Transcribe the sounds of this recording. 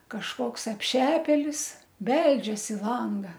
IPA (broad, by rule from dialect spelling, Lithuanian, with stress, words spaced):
kɐʃˈkoːks ɐpʲˈʃʲæːpʲeːlʲɪs ˈbʲɛlʲd͡ʒʲɛs ɪ ˈlˠɐŋɡɐ